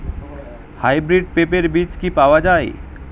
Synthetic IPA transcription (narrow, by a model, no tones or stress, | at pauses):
hajbɾiɖ̚pepeɾbit͡ʃkipawad͡ʒaːe